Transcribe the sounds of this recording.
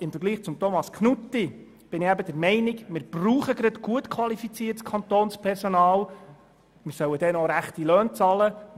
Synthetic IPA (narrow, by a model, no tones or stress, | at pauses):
ɪmfəɾɡliːχt͡sʊmt̪omɑskχnutːi | b̥ɪnɪæbəd̥ɛɾmɛɪnɪkmɪːɾb̥ruːχəɡɾɑtɡ̥uətkʰʋɑlifit͡siːtskʰɑnt̪oːnspʰɛɾsonɑːl | mɪɾsœwəd̥ɛnoɾæχt̪ilœːnt͡sɑlə